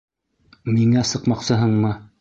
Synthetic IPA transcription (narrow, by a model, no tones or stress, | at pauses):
miŋæsɤ̆qmɑqsɤ̆ɦɤɴmɤ